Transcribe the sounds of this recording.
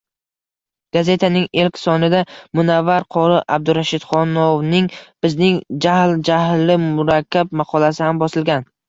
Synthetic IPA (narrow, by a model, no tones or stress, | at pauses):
ɡ̥aze̞t̪ʰanɪŋelkʲsɒnɪd̪amʊnavːaɾqʰɒɾɪʔab̚d̪ʊɾaʃɪd̪̥χɒnownɪŋb̥ɪznɪŋd͡ʒahld͡ʒahlɪmʊɾakʲʰːab̚mɑqʰɒlasɪhambɒsɪlɡʲan